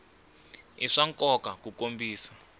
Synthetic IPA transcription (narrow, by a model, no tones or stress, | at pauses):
iʂaŋkʼɔkakukombiːsḁ